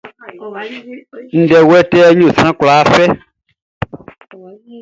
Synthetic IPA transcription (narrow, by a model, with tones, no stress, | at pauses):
n̩˦ɖɛ˨wɛ˦tɛ˦ɲõ˦˨sɾ̃ã˦kla˨˦fɛ˦